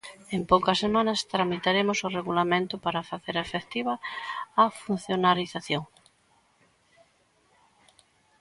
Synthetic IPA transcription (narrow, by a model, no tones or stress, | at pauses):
empowkɐsːemãnɐst̪ɾamit̪aɾemʊsʊreɣulamẽnt̪ʊpaɾɐfaθeɾefekt̪iβɐː | fun̟θjonaɾiθaθjoŋ